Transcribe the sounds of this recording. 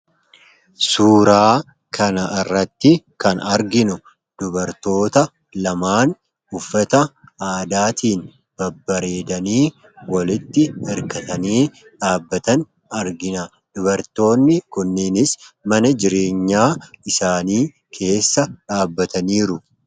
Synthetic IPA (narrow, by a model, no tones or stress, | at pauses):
suːɾaː | kʰɐnɐʔɪrːɐt̪ːɪkɐnɐɾɡɪnʊ | d̪̥ʊbɐɾt̪o̞ːt̪ɐ | lɐmaːn | ʊfːɐt̪ɐaːd̪aːt̪iːn | b̥ɐbːɐɾe̞ːd̪ɐniː | wɐlɪt̪ːɪɛɾkɐt̪ɐniː | ᶑaːbːɐt̪ɐn | ɐɾɡɪnɐ | d̪̥ʊbɐɾt̪o̞ːnːɪkʊnːɪnɪsmɐnɐd͡ʒɪɾe̞ːɲːaːɪsaːniː | kʰe̞ːsːɐᶑaːbːɐt̪ɐniːɾʊ